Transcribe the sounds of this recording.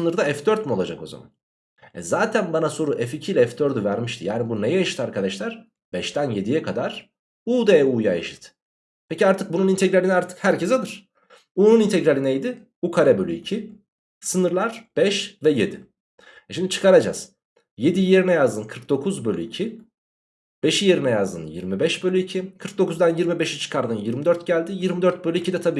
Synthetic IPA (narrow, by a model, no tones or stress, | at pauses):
nɯɾd̪aɛfd̪øɾt̪mio̞lˠad͡ʒako̞̰za̰ma̰n | ɛ̰zaːt̪ʰænbanaso̞ɾuʔɛficʰijlʲɛɛfd̪øɾd̪yvæɾmiʃt̪ʰijaːnibune̞jɛjaʃɯ̥t̪ʰaɾkʰad̪aʃlʲˠæɾ̥ | b̥ɛʃt̪ʰænje̞d̪ijɛkʰad̪aɾ̥ | uːd̪ejɛuːjaḛʃi̥t̪ | pʰeciaɾt̪ʰɯk̚bununint̪ʰeɟɾalʲinɛaɾt̪ʰɯ̥khæɾcʰɛzad̪ɯɾ̥ | uːnunint̪ʰeɟɾalʲinɛjd̪ɪ | ukʰaɾɛbølʲyicʰi | sɯnɯɾlˠaɾ̥b̥ɛʃvɛje̞d̪i | ɛʃimd̪it͡ʃʰɯ̥kʰaɾad͡ʒa̰z̥ | je̞d̪ijje̞ɾinɛjazd̪ɯnkʰɯɾk̚d̪o̞kʰuzbø̞lʲyicʰi | b̥e̞ʃije̞ɾinɛjazd̪ɯ̰njḭɾmibɛʃbølʲyicʰikʰɯɾk̚d̪o̞kuzd̪anjiɾmibe̞ʃit͡ʃʰɯ̥kʰaɾd̪ɯnjiɾmid̪øɾt̪ɟælʲd̪ijiɾmid̪øɾt̪̚bølʲyicʰid̪ɛt̪ʰabiː